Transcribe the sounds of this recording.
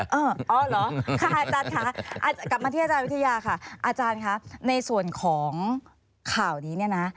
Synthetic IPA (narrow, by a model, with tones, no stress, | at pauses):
ʔɤː˧˩ʔɔː˧˩lɔː˨˦˥kʰa˧˩ʔaː˧˩nt͡ɕaː˧nkʰa˦˥ʔa˧a˧˩ka˨˩p̚ma˧iː˥˩˨aː˧t͡ɕaː˧nwi˦˥t̪ʰja˧jaː˧kʰa˥˩ʔaː˧t͡ɕaː˧nkʰa˦˥na˧jsu˨˩ənkʰɔː˩˦ŋ | kʰaː˨˩wniː˨˦ni˥˩ɐna˦˥